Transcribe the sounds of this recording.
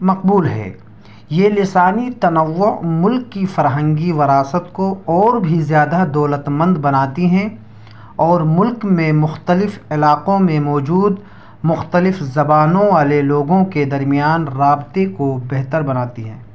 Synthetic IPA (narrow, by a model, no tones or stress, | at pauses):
mɐqbuːlɦɛ̰ː | jeːlɪsaːnit̪ɐnəʋːʊmʊlkːifɐɾɦə̃ŋɡiʋɐɾaːsət̪koɔːɾbʱizjaːd̪ad̪ɔːlət̪mə̃nd̪bɐnaːt̪iɦɛ̃ | ɔːɾmʊlkmẽmʊxt̪əlɪfɪlaːqõmẽmɔːd͡ʒuːd̪ | mʊxt̪əlɪfzɐbaːnõʋaːleloːɡõked̪ɐɾmijaːnɾaːbt̪ekobɛɦt̪əɾbɐnaːt̪iɦɛ̰̃ː